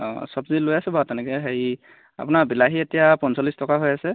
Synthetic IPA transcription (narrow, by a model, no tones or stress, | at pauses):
sɔbzilojasɛbʱatanɛkɛɦeɹi | a̰pʊnaɹbilaɦietijapɔnsɔlistɔkaɦojasɛ